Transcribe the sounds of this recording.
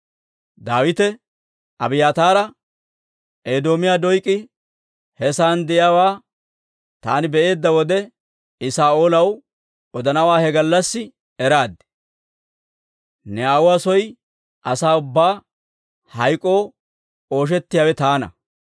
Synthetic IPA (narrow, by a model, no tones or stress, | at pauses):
d̪aːwɪt̪ɛ | ɐbɪjaːt̪aːɾɐ | ʔeːd̪o̞ːmɪjaːd̪ɔjkʼːɪ | hɛsaːnd̪ɛjaːwaː | t̪aːnɪbɛʔe̞ːd̪ːɐwɔd̪ɛ | ɪsaːʔoːlɐw | ɔd̪ɐnɐwaːhɛɡɐlːɐsːɪ | ɛɾaːd̪ɪ̥ | nɛaːwʊwaːsɔj | ʔɐsaːʊbːaː | hɐjkʼːo̞ː | o̞ːʃ̬ɛt̪ːɪjaːwɛt̪aːnɐ̰